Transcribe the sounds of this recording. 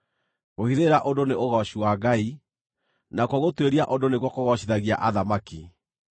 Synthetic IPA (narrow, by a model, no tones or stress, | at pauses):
ɣohiðeɾaʔondoneʔoɣɔɕiwaɡai | nakwɔɣotweɾiaʔondoneɣwɔkoɣɔɕiðaɣia̰ʔaðamaki